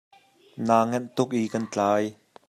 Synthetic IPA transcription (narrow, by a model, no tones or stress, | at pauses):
naːŋɛnt̪ʊk̚ʔiːkɐnt͡ɬaːj